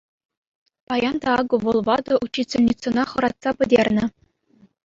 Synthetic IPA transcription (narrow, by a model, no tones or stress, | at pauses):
pɑjɑnd̪ɑɑɡɤ̆ʋɤ̆lˠʋɑd̪ɤ̆ʔut͡ɕːit͡sʲelʲnʲit͡sɤ̆nɑχɤ̆ɾɑt̪sɑpʲɘ̆dʲerʲnʲɘ̆